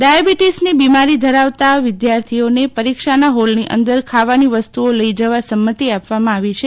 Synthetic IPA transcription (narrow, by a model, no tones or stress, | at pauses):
ɖajabiʈisnibimaɾid̪ʱəɾaʋt̪aʋɪd̪jaɾt̪ʰionepəɾikʃanaɦolniʔə̰nd̪əɾkʰaʋaniʋəst̪uoləid͡ʒəʋasəmːət̪iapʋamãaʋit͡ʃʰe